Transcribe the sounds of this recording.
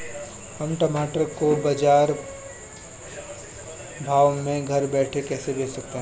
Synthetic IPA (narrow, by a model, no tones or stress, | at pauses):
hɐmʈɐmaːʈəɾkobɐd͡ʒaːɾ | bʱaːwmẽɡʱɐɾbɛːʈʰekɛːsebeːsɐk̚t̪eɦɛ̃